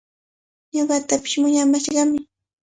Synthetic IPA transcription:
ɲoɢɑt̪apɪ̥ʃmʊɲamaʃɢɑmɪ

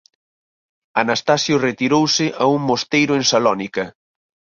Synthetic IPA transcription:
anast̪asjʊret̪iɾowsɪʔauŋmost̪ejɾʊeŋsalɔnikɐ

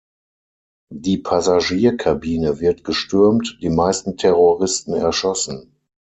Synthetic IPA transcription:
diːpʰazaʒiːɐkʰabiːnəvɪɐtɡ̥əʃtʏɐmtd̥iːmaɪstn̩tʰɛʁoʁɪstn̩ɛɐʃɔsn̩

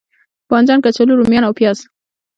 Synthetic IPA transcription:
pɑnzɑnkat͡saloɾumjɑnawpjɑz

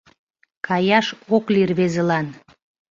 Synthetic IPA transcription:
kʰɑjɑʃoklʲirβezə̆lɑn

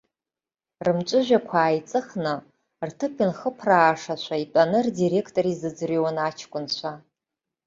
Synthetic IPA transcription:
rɨmt͡ʃʷʼʊʒᶣʷakʷʰaːjt͡sʼɨχnɨ | rtʰɨpʰinχəpʰraːʂat͡ɕʷʰaitʷʼanɨrdiɾe̞kʰtʼoɾizɨd͡zriwanat͡ʃʰkʷʼʊnt͡ɕʷʰa

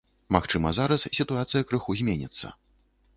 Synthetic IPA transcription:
maxt͡ʂɨmɐzaɾɐssʲit̪uat̪sɨjɐkɾɨxuzʲmʲenʲit̪sːɐ̰

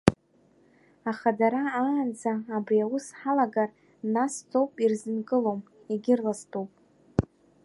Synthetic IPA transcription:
aχadaɾaːnd͡zaːbriawʊsħalaɡar | nastʰo̞wpʼirzɨnkʼɨlo̞m | iɡʲɪrlastʰowpʼ

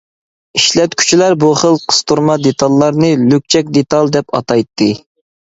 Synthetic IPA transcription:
iʃlɛt̪kʲʰy̥t͡ʃʰilæɾbuχəlˠqʰə̥st̪uɾmɑd̪et̪ʰɑlˠːɑɾnɨlyk̚ʲt͡ʃʰɛk̚ʲd̪et̪ɑlˠd̪ɛpɑ̰t̪ɑjt̪ʰːɨ

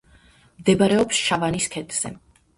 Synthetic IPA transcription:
md̪ɛbaɾɛɔpsʃavaniskʰɛt̪ʰz̥ɛ̰

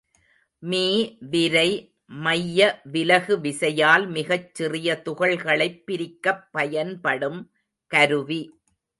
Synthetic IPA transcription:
miːʋɪɾɐɪ | mɐjːɐʋɪlɐɣɯʋɪsɐjaːlmɪɣɐt͡ʃːɪrɪjɐt̪ʊɣɐɭɣɐɭɐɪpːɪɾɪkːɐpːɐjɐnpɐɽɯm | kɐɾɯʋi

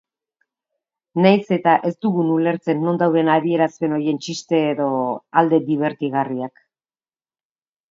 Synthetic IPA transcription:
najse̞t̪aʔe̞st̪uɣunule̞ɾt͡se̞nːo̞nd̪awðe̞naðie̞ɾaspe̞no̞ɾje̞nt͡ʃist̪e̞ːðo̞ald̪e̞d̪iβ̞e̞ɾt̪iɣariak

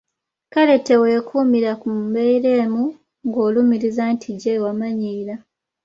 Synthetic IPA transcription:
kale̞te̞we̞ːkʰuːmiɾakumbe̞iɾe̞ːmu | ŋɡo̞ːlumiɾizantʰiɟewamaɲiːla

